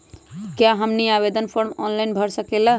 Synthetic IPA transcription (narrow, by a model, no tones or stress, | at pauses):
kjaɦəmniabed̪ənpʰoɾmɔnlajnbʱəɾsəkelə